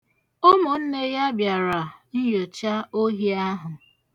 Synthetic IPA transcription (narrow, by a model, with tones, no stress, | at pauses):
o˦mʊ˨n̩˦ne˦ja˦bja˨ɾa˨n̩˦jo˨t͡ʃa˦o˦ɦi˦a˦ɦʊ˨